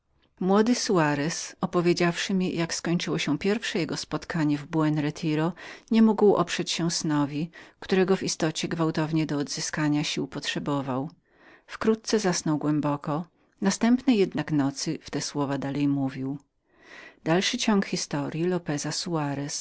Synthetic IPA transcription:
mwɔd̪ɘsuaɾɛsɔpɔvʲjed͡ʑafʂɘmʲijakskɔɲt͡ʂɘwɔɕɛpʲjɛɾfʂɛjɛɡɔspɔt̪kaɲɛvbuɛnɾɛt̪ʰiɾɔɲɛmuɡwʔɔ̰pʂɛt͡ɕɕɛ̃snɔvʲikt̪uɾɛɡɔvist̪ɔt͡ɕɛɡvawt̪ɔvɲɛd̪ɔːd̪zɘskaɲaɕiwpɔtʂɛbɔvaw | fkɾut̪̚t̪sɛzasnɔwɡwɛmbɔkɔ | nast̪ɛmpnɛjːɛd̪naknɔt̪sɘft̪ɛswɔvad̪alɛjmuvʲiw | d̪alʂɘt͡ɕɔŋkxʲist̪ɔɾʲjilɔpɛzasuaɾɛs

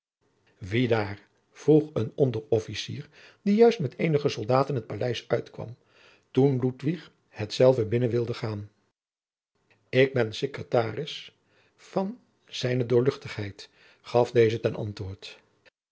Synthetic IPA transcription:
ʋidaːɹ | v̥ruχənɔndərɔfisḭːɹ | dijœɥstmɛtejnəχəsɔlˠdaːtənɦət̚palɛjsœɥtkʋɑ̰m | tunlutʋiχ | hɛtsɛlˠvəbɪnənʋɪlˠdəχaːn | ɪɡ̚bɛnsekrətaːrɪs | fɑn | z̥ɛjnədʊːɹlɵχtəχɦɛjt | χɑfdejzətɛnʔɑ̰ntʋʊːɹt

